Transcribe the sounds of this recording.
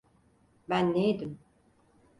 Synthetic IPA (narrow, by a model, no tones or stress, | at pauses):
bænːejd̪im